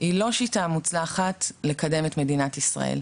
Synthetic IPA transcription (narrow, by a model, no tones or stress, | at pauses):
ilo̞ʃitamut͡slaχatle̞kade̞metme̞dinatisʁa̰ʔḛl